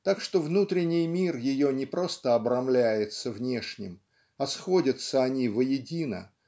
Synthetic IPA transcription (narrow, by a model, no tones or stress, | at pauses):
t̪akʂt̪o̞vnut̪ɾʲɪnʲːɪjmʲirjɪjonʲɪpɾo̞st̪əɐbɾɐmlʲæjɪt̪səvnʲe̞ʂnʲɪ̰m | ɐsxo̞dʲət̪səɐnʲivəjɪdʲinə̰